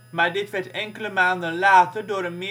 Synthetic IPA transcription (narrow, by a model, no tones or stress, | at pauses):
maːɹdɪtʋɛɹtɛŋkələmaːndəlaːtədʊːɾənmɪ